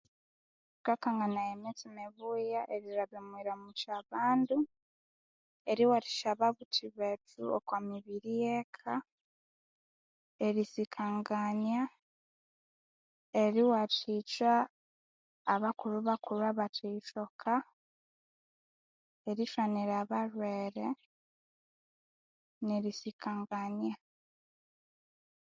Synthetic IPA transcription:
tkakaːŋɡanajemet͡simeβujaʔeɾiɾaβemwiɾamut͡ʃaβaːndu | eɾiwaɾi̥ʃaβaβutʰiβetuo̰kwamiβiɾijekʰa | e̞ɾisikʰaŋɡaɲa | eɾiwatit͡ʃa | βakuɾuβakuɾwaβatiːt͡ʃokʰa | eɾiʃaniɾaβaɾweːɾe | neɾisikʰaːŋɡaɲa

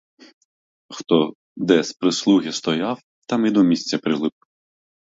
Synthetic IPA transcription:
xt̪ɔ | d̪ɛspɾɪslˠuɣʲist̪ɔjaw | t̪ɑmid̪ɔmʲisʲt͡sʲɐpɾɪlˠɪp̚

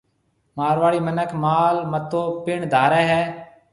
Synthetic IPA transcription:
maːɾʋaːɭiːmənəkʰmaːlmət̪oːpɪɳd̪ʱaːɾɛːɦɛː

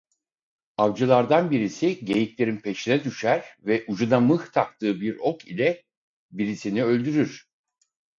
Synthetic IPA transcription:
avd͡ʒɯlˠaɾd̪anbiɾisiɟe̞jiclʲe̞ɾinpʰe̞ʃinɛd̪yʃæɾvɛʔud͡ʒunamɯht̪ʰak̚t̪ʰɯːbiɾo̞kilʲɛ | biɾisiniø̞lʲd̪yɾyɾ̥

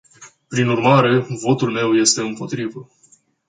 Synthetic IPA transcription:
pɾinurmaɾe̞vo̞t̪ulme̞wje̞st̪e̞ɨmpo̞t̪ɾivə

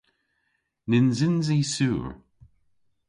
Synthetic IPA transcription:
nɪnzɪnzisuːɹ

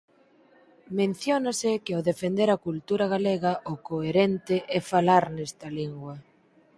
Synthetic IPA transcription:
mẽn̟θjonasɪkɪoðefend̪eɾakult̪uɾaɣ̞aleɣɐʔʊkoeɾent̪ɪʔɛfalaɾnɛst̪ɐliŋɡwɐ

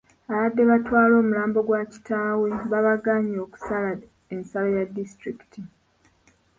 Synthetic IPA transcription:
aβadːe̞βatwaːlo̞ːmulaːmbo̞ɡwaci̥tʰaːwe̞βaβaɡaːɲo̞ːku̥sala | ensalajadːistɾiki̥tʰi

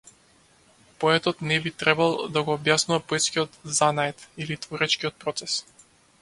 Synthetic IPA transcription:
pɔɛt̪ɔt̪nɛbit̪ɾɛbalˠd̪aɡɔːbjasnuvapɔɛt̪skiɔt̪zanaɛt̪ilit̪vɔɾɛt͡ʃkiɔt̪̚pɾɔt̪sɛs

